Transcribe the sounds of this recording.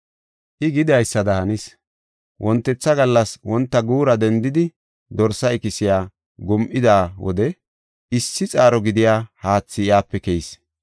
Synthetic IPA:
ʔɪɡɪd̪ɐjsːɐd̪ɐhɐnis | wʔɔnt̪ːɛt͡sːɐɡɐlːɐswɔnt̪ːɐɡuːɾɐd̪ɛnd̪ɪd̪ɪ | d̪ɔɾsɐɪkɪsɪjaː | ɡɔmʔɪd̪aːwɔ̰d̪ɛ | ʔɪsːɪt͡sʼaːɾɔɡɪd̪ɪjaːhaːt͡sːɪjaːpːɛkɛjɪs

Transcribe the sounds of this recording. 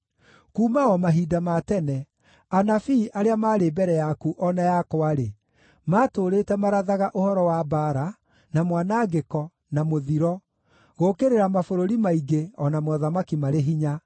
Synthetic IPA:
kuːmaɔmaɦiːdamatɛnɛ | anafiʔaɾeamaːɾebɛɾɛjakuʔɔnajakwaɾe | maːtoːɾeːtɛmaɾaðaɣaʔohɔɾɔwabaɾa | namwanaɡekɔ | namoðiɾɔ | ɣokeɾeɾamafoɾoɾimaiɡeɔnamwɔðamakimaɾeɦiɲa

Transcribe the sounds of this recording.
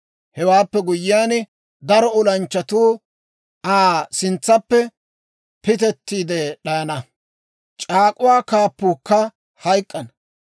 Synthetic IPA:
hɛwaːpːɛɡʊjːɪjaːn | d̪ɐɾɔʊlɐnt͡ʃːɐt̪uː | aːsɪnt͡sːɐpːɛ | pɪt̪̬ɛt̪ːiːd̪ɛɗɐjɐnɐ | t͡ʃʼaːkʼʊwaːkaːpːuːkːɐ | hɐjkʼːɐnɐ

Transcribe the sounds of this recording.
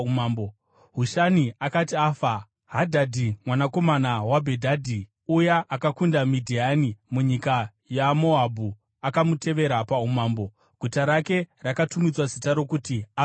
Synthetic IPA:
ambo | ɦuʃaniakatiaːfa | ɦadʱadʱimwanako̞manawabʱedʱadʱi | ujaʔakakundamidʱianimuɲika | jamo̞ɦabʱu | akamute̞ʋe̞ɾapaumaːmbo̞ | ɡ̥ʱutaɾake̞rakatumid͡zwazitaɾo̞kutia

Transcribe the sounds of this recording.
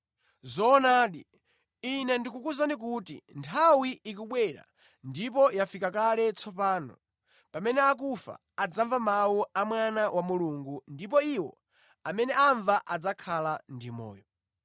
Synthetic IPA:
zɔːnaːɗi | inɛndikukuzanik̬utḭntʰawiːkuɓwɛɾa̰ | ndip̬ɔjafikakalɛt͡sʰɔpaːnɔ̰ | pamɛnɛak̬ufa̰ | ad͡zaɱvamawuamwanawamuluŋɡundip̬ɔiwɔ̰ | amɛnɛaɱvaʔad͡zakʰalandimɔ̰ːjɔ

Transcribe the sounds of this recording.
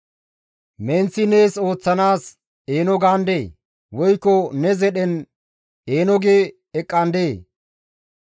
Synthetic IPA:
ment͡sːɪneːso̞ːt͡sːɐnaːs | eːnɔɡaːnd̪eː | wɔjkːɔnɛzɛɗɛn | eːnɔɡeː | ɛkʼːɐnd̪eː

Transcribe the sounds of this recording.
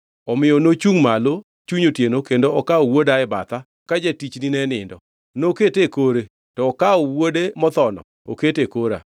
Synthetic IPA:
ɔmɪjɔnot͡ʃuŋmalo | t͡ʃuɲotjenokendoɔkaɔwodaɛba̰t̪a | kad͡ʒetit͡ʃninɛnɪ̰ndɔ | noketekoɾe | tɔːkaɔwodemɔt̪ɔnɔ̰ | o̰ketekoɾa̰

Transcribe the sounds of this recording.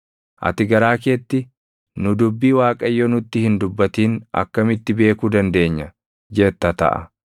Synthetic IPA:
ʔɐ̰t̪ɪɡɐɾaːke̞ːt̪ːɪ | nʊd̪ʊbːiːwaːkʼɐjːoːnʊt̪ːɪhɪnd̪ʊbːɐt̪iːnɐ̰kːɐmɪt̪ːɪbe̞ːkuːd̪ɐnd̪e̞ːɲːɐ | d͡ʒɛt̪ːɐt̪ɐ̰ʔɐ̰

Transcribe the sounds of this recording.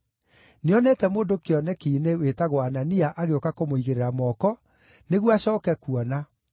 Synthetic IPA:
neɔnɛtɛmoːndokeɔnɛkiːnewetaɣwaːnaniaʔaɣeokakomoiɣeɾeɾamɔkɔ | neɣwaɕɔːkɛkuɔna

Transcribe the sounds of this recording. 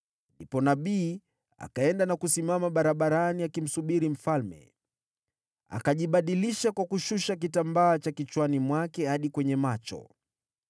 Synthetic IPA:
ndipɔnaɓiː | a̰kaɛndanakusimamaɓaɾaɓaɾaniakim̩suɓiɾim̩falmɛ̰ | a̰kaʄiɓaɗiliʃakwakuʃuʃak̬itambaːt͡ʃakit͡ʃwanimwakɛhaɗikwɛɲɛmat͡ʃɔ̰

